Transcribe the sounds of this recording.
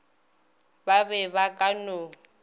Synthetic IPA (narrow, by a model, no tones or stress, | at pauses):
babɛβakʼano